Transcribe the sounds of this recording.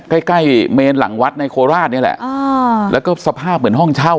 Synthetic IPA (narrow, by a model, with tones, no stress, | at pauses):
ka˥˩jka˥˩jmeː˧nla̰˩˦ŋwa˦˥t̪̚na˧jkʰoː˧ɾaː˥˩t̪̚ni˥˩˨lɛ̰˨˩ʔa˧lɛː˦˥wkɔː˥˩sa˧pʰaː˥˩p̚mɯ˩˦nɦɔ˥˩ŋt͡ɕʰa˥˩w